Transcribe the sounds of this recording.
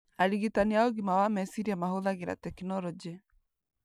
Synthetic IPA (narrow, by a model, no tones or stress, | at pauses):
aɾiɣitaneaoɣimawamɛsiɾiamahoðaɣeɾa̰tɛkinɔɾɔd͡ʑe